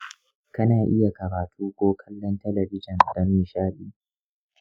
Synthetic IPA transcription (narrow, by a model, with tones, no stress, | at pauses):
kɐ˦naː˨ʔɪ˦ja˨kɐ˨ɾaː˨tʰuː˦kʷoː˦kʰɐ˦lːɔ˦ntɐ˦lɐ˨bɪ˦d͡ʒɪ˨n˨dɐ˦miː˨ʃaː˦ɗiː˦